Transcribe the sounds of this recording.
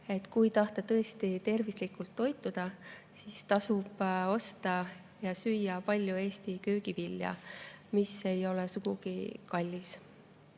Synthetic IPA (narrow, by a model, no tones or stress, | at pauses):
e̞t̪kujt̪ɑht̪ɑt̪ɤ̞e̞st̪it̪e̞rvislikːˑult̪ːo̞jt̪ːˑud̪̥ɑ | sist̪ɑsub̥o̞st̪ɑ | jɑsyjːɑpɑlʲjue̞ːst̪ikøːɡ̥ipilːjɑ̰mise̞jo̞lesuɡ̥uɡ̥ikɑlʲːis